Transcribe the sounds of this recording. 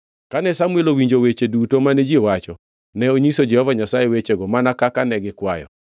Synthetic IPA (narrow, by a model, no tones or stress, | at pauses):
kanɛsamuɛlowiɲd͡ʒowet͡ʃedutomaned͡ʒiewat͡ʃɔ | nɛoɲisod͡ʒɛhɔvaɲasajewet͡ʃeɡɔmanakakanɛɡɪkwajɔ̰